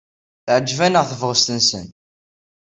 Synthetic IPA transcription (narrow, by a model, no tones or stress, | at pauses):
θʕəd͡ʒːvænəʁθəvʁəst̪ənsə̰n